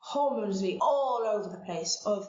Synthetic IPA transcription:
hɔːmə̃ʊzliʔɔloʊvəðəpʰl̥eɪsəv̥

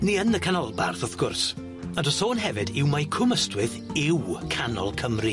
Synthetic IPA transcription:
niənəkʰanɔlˠba̰rθɔθɡ̥ʊrs | andɔsoːnɦɛvɨdɪwmajkʰʊməstwɨðɪwkʰanɔ̰lˠkʰəmri

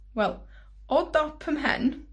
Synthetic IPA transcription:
wɛlˠ | ɔdɔpʰəmɦɛ̰n

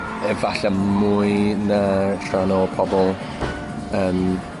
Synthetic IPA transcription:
ɛvaɬamujnatʰranɔpʰɔbɔlˠ | ən

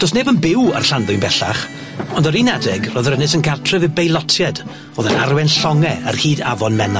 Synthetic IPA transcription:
d̥osneːbənbɪwə̰rɬanðʊjnbɛɬaχ | ɔndəɾinadɛɡrɔːðəɾənɨsənɡartʰrɛvɨbejlˠɔtʰjɛd | oːðənarwɛnɬɔŋɛərhiːdavɔnmɛna

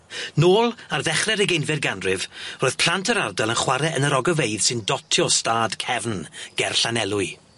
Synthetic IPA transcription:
noːlˠarðɛχrɛɾəɡejnvɛdɡanrɪvroːɨð̥pʰl̥ˠantʰəɾardɛlˠənχwaɾɛʔənəɾɔɡəvejð̥sɨndɔtʰjɔstaːd̥kʰɛvnɡ̥ɛrɬanɛlˠʊɨ

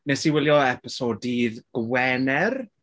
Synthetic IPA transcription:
nɛsiwɪlˠjɔɛpɪsodiðɡ̥wɛnɛr

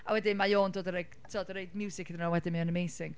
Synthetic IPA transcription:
awɛdɪnmajoːndoːdəɾeɡtʰiɔdəɾejdmjuːsɪkʰðɪnawɛdɪnmiənəmejsɪŋ

